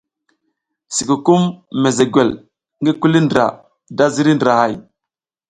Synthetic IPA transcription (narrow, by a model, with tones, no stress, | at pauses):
si˨ku˨ku˦mːe˨ze˨ɡʷe˨l | ŋɡi˦ku˦li˦ndɾa̰˨ | da˦zi˦ɾi˦ndɾa˨ha˨j